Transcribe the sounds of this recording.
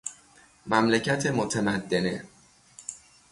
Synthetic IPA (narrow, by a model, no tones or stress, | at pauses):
mæmlecʰæt̪ʰemot̪ʰemæd̪ːe̞ne̞